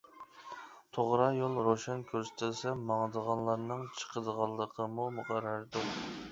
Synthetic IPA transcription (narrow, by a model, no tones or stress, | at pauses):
t̪ʰoʁɾɑjolˠɾoʃɑnkʲʰøɾsɪ̥t̪ʰɪlsɛmɑŋd̪əʁɑnlˠɑɾnɨŋt͡ʃʰə̥qʰəd̪əʁɑlˠːəqʰəmumuqʰɑɾːɑɾd̪u